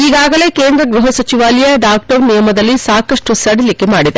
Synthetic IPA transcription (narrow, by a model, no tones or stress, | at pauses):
iɡaːɡɐle̞ːkeːnd̪ɾɐɡɾuɦɐsɐt͡ʃiʋaːlijɐɖaːk̚ʈɐɾnijɐmɐd̪ɐlːisaːkɐʂʈusɐɽilikemaːɽid̪e